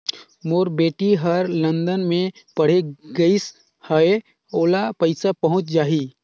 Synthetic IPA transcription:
moːɾbeːʈiɦəɾlə̃nd̪ənmẽ | pəɽ̤eɡəis | həe | oːlapəɪsapəɦʊ̃t͡ʃd͡ʒaːi

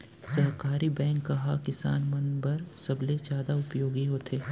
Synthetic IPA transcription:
sɐɦkaːɾibɛ̃ːŋkːɐɦakɪsa̰ːnmɐnbəɾsɐblezjaːd̪aʊpjoːɡiɦoːt̪ʰeː

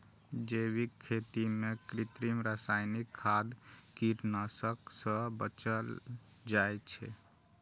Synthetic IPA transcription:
d͡ʒewikʰːet̪imekɾit̪ɾimɾasajnikʰːad̪kiɾnasəksə̃bət͡ʃəld͡ʒajt͡ʃʰɛ

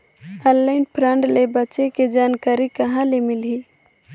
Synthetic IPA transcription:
əllaɪnpʰɾəɳɖlebətːt͡ʃeked͡ʒankaɾikəɦãlemilɦi

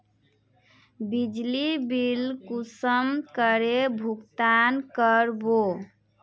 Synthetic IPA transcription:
bid͡ʒlibilkusəmkəɾebʱukt̪ankəɾbo

